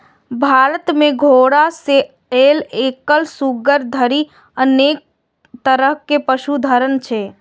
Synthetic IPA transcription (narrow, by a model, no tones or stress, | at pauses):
bʱaːɾət̪mẽɡʱoːɽase | eːleːkəlsuɡəɾd̪ʱəɾi | əneːk̚ | t̪əɾəɦkepəʃud̪ʱəɾənt͡ʃʰe